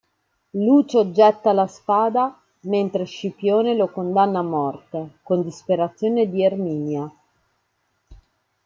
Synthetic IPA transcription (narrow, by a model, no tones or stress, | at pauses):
luːt͡ʃod͡ʒɛt̪ːalaspaːd̪a | ment̪ɾeʃipjoːnelokond̪anːaːmːɔrt̪ekond̪ispeɾat̪sːjoːned̪iermiːnja